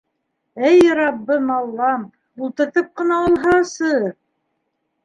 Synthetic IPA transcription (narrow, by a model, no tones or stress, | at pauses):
æjɾɑbːɤmɑlˠːɑm | ulˠt̪ɤ̆ɾt̪ɤp̚qɤ̆nɑolˠɦɑsɤ